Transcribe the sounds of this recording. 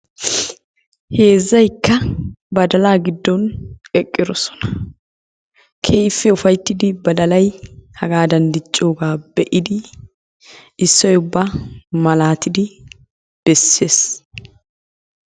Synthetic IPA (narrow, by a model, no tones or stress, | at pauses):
he̞ːzːɐjkːɐbɐd̪ɐlaːɡɪd̪ːɔnɛkʼːɪd̪ɔsɔ̥nɐ̥ | kʰejfːɛʊfɐjt̪ːɪd̪ɪbɐd̪ɐlɐjhɐɡaːd̪ɐnd̪ɪt͡ʃʼːo̞ːɡaːbɛʔɪd̪ɪ | ɪsːɔjʊbːaːmɐlaːt̪ɪd̪ɪ | b̥ɛsːeːs